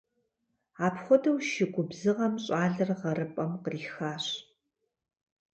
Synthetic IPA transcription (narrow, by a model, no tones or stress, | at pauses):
aːpχʷɔdɐwʃɪɡʷʊbzɨʁɐmɕʼaːɮɐrʁɐɾɨpʼɐmqəriːxaːɕ